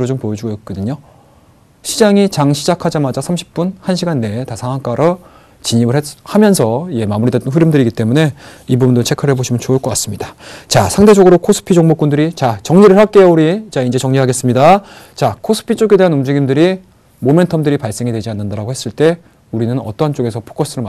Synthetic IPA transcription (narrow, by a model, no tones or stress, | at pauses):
ɾod͡ʑompojʌd͡ʑuɡoj̚k͈ʌdɯɲo | ɕʰid͡ʑaŋit͡ɕaŋɕʰid͡ʑakʰad͡ʑamad͡ʑasʰamɕʰi̥p̚p͈unhanɕʰiɡanːe̞tasʰaŋɦank͈aɾʌ | t͡ɕiɲimɯɭhehamjʌnsʰʌie̞mamuɾidet͈ʌnɸʰuɾjɯmdɯɾiɡit͈e̞mune̞ibubundot͡ɕʰe̞kʰɯɾɦe̞boɕʰimɯnt͡ɕoɯɭk͈ʌk͈as͈ɯmɲidat͡ɕasʰaŋde̞d͡ʑʌɡɯɾokʰosʰɯ̥pʰid͡ʑoŋmok͈undɯɾit͡ɕat͡ɕʌŋɲiɾɯɭhak͈e̞jʌuɾit͡ɕaind͡ʑe̞t͡ɕʌŋɲiɦaɡe̞s͈ɯmɲida | t͡ɕakʰosʰɯ̥pʰit͡ɕ͈oɡe̞de̞ɦanumd͡ʑiɡimdɯɾi | mome̞ntʰʌmdɯɾipaɭs͈e̞ŋidwe̞d͡ʑianːɯndaɾaɡohe̞s͈ɯɭt͈e̞ | uɾinɯnʌ̰t͈ʌɦant͡ɕ͈oɡe̞sʰʌpʰo̥k͈ʌs͈ʰɯɾɯɭma